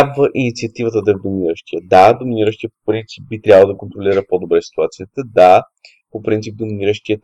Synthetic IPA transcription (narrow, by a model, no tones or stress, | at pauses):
abvəʔinit̪siɐt̪ivət̪əd̪ɐɛvd̪omʲiiɾəʃt̪iəd̪ad̪ominiɾəʃt̪ijəpopɾint̪sip̚bit̪ɾʲjabvəlˠd̪əkont̪ɾolʲiɾəpod̪obɾɛsi̥t̪uat̪sijət̪əd̪a | popɾint̪ip̚d̪ominiɾəʃt̪iə